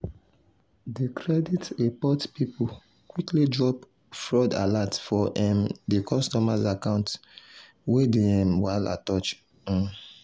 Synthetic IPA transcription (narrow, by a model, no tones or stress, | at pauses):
dekʰɹɛditepɔtpipu | kwiklidɹɔp | fɹɔda̰latfɔʔɛ̃mdekʰɔstɔmazakãʊ̃nt | wedeɛ̃mwala̰tɔt͡ʃ | ɔ̃